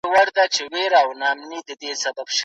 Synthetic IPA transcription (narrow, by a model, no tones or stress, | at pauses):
waɾd̪at͡ʃeweɾawnɑmnid̪əd̪esababʃ